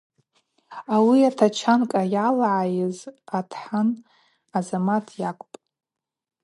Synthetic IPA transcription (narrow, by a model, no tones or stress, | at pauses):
awiatʰat͡ʃʰankʼajalʕajɪzatʰħan | azamatʰjakʷʼpʼ